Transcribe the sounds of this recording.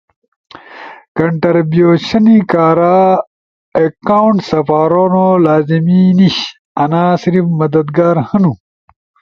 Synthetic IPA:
kɐɳʈɐɾbjoːɕɐnikaːɾaː | ekawuɳʈsɐfaːɾoːnolaːziminiɕ | ɐnaːsiɾifmɐd̪ɐd̪ɡaːɾhɐnu

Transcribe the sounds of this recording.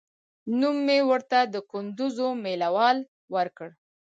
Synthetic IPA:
numːewəɾt̪ad̪əkʊnd̪ʊzomelawɑl | wəɾkəɽ

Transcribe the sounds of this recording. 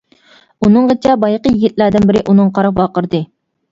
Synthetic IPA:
unɨŋʁət͡ʃʰɛbɑjqəjiɡʲit̪̚læɾd̪ɪnbɪɾɪʔunɨŋqʰɑɾɑpwɑːqəɾd̪ɨ

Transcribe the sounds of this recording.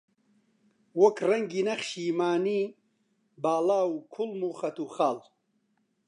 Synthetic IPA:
wɐkrɐŋɡinɐχʃiːmaːniː | baːlaːukʰulmuχɐt̪uχaːl

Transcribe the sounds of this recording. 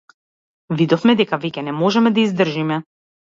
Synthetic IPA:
vid̪ɔfmɛd̪ɛkavɛcʲɛnɛmɔʒɛmɛd̪aizd̪r̩ʒimɛ

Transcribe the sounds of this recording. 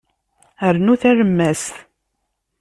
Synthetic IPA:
əɾnuθæɾəmːæs

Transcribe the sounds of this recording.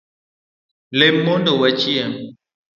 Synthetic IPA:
lemːondowɛt͡ʃiɛ

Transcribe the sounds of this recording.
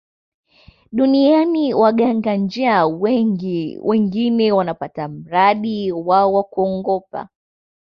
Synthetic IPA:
ɗunianiwaɠaŋɡand͡ʒiaw | wɛŋɡinɛwanapatam̩ɾaɗiwaɔwakuɔŋɡɔpa̰

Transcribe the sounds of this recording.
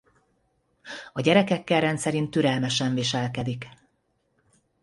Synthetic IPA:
ɒɟɛɾɛkɛkːɛlrɛnt̪sɛɾint̪ːyɾɛlmɛʃɛɱviʃɛlkɛd̪ik

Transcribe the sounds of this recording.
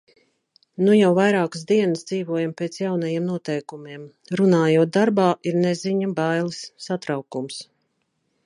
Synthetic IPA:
nujawvajɾaːkə̥sd̪iɛnəsd̪ziːvuɔjampeːt̪sjawnajiɛmnuɔt̪ɛjkumiɛm | ɾunaːjuɔt̪̚d̪aɾbaːiɾneziɲabajlˠisːat̪ɾawkums

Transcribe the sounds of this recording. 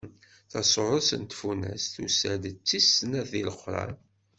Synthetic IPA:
θɑsoɾˤʊsə̰nt̪funæ̰sθusæd̪t͡sːisnæθiləχɾˤɑ̰n

